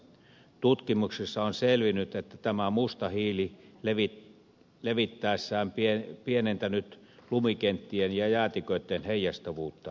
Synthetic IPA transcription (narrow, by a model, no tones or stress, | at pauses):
t̪ut̪kimuksesːɑonselʋinyt̪et̪ːæt̪æmæmust̪ɑhiːlileʋi | leʋit̪ːæˑesːæːmpiepienent̪ænyt̪ | lumikent̪ːienjɑjæːt̪ikøet̪ːenheijɑst̪oʋuːt̪ːɑ